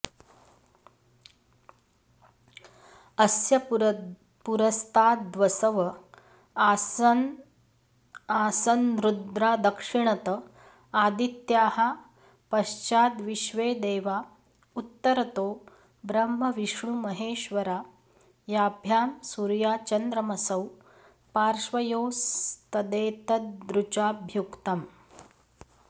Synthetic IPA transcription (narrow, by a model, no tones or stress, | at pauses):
əsjə | puɾəst̪ʰaːt̪̚d̪ʋəsəʋə | asənɾud̪ɾad̪əkʂiɳət̪ə | ad̪it̪jaha | pəɕt͡ɕaːd̪ʋiʃʋeːd̪eːʋa | ut̪ːəɾɐt̪oː | bɾɐmːɐʋiʂɳumɐɦeːʃʋɐɾaː | jabʱjaːmsuːɾjaːt͡ʃɐnd̪ɾəmɐsɐw | paːɾʂʋɐjowst̪ɐd̪eːt̪ɐt̪d̪ɾut͡ʃaːbʱjukt̪ɐm